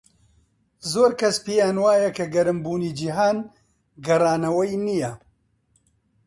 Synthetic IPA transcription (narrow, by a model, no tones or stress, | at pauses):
zoːɾkɐspijaːnwaːjɐkɐɡɐɾɨmbuːniːd͡ʒiɦaːn | ɡɐraːnɐwɐjnijɐ